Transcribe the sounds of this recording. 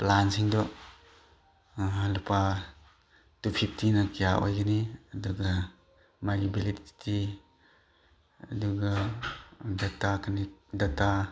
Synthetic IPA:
plansiŋdɔ | alupa | tupʰip̚ʰtʰinɐkijaʔo̰jɡaniɐduɡa | majibiliti̥tʰi | ɐduɡɐ | datakʰanidɐta

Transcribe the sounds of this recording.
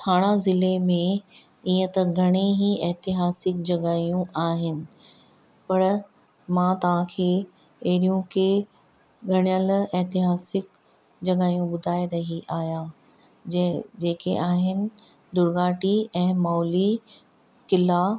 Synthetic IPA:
t̪ʰaːɽ̃azɪlemẽ | iːə̃t̪ɐɡʱɐɽ̃eɦiɛɦt̪ɪɦaːsɪk̚d͡ʑɐɠaːijũaːɦɪnɪ̆ | pɐɾ | mãt̪ɐʋ̤ãkʰeː | eɦɾijũkʰeː | ɡʱɐɽ̃jəlɛɦt̪ɪɦaːsɪk | d͡ʑɐɡaːijũɓʊd̪ʱaːeɾɐɦiʔaːɦjãː | d͡ʑeːkeʔaːɦɪnɪ̆ | d̪ʊɾɡaːʈiɛ̃ːmɔːli | kɪla

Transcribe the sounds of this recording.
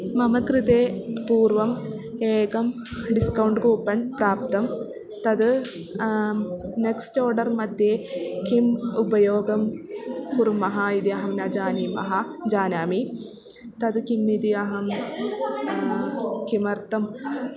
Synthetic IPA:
mɐmɐkɾid̪eːpuːrʋɐm | eːkɐm | ɖiskɐwɳɖkuːpːɐnpraːp̚t̪ɐm | t̪ɐd̪ɨ | neksto̞ːrɖɐrmɐd̪jekimubɐjoːɡɐmkuɾumɐɦaid̪jɐɦɐmnad͡ʑaːnimɐ̰ɦɐd͡ʑaːnaːmi | t̪ɐd̪ɨkimːid̪iɐɦɐm | kimɐrt̪ɐm

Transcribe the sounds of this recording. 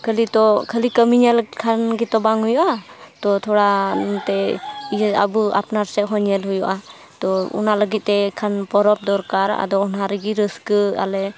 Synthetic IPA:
kʰəlit̪ɔkʰəlikəmiɲɛlkʰanɡɛt̪ɔbaŋɦujɔʔat̪ɔt̪ʰɔɽat̪ɛijɛa̰bua̰pnaɾsɛɦɔɲɛlɦujɔʔa | t̪ɔṵnaləɡit̪̚t̪ːɛkʰanpɔɾɔp̚d̪ɔɾkaɾa̰d̪ɔɔnaɾɛɡiɾəskəa̰lɛ

